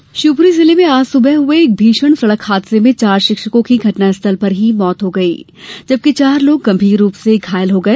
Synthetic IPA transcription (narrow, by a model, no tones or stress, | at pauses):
ʃuːpɾizɪlemẽaːsʊbɛɦɦʊeːk̚bʱiːʃwəɳsɐɭəkhaːt̪semẽt͡ʃaːɾʃɪkʃəkõkiɡʱɐʈnaɪst̪ʰəlpɐɾɦimɔːt̪ɦoɡɐḭː | d͡ʒɐb̚kit͡ʃaːɾloːɡɡɐ̃mbʱiːɾːuːpseɡʱaːjəlɦoɡɐeː